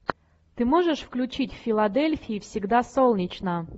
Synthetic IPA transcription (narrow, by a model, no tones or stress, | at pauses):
t̪ɨmoʐɨʂfklʲʉt͡ɕitʲffʲɪlˠɐd̪elʲfʲɪɪfsʲɪɡd̪asolˠnʲɪt͡ɕnə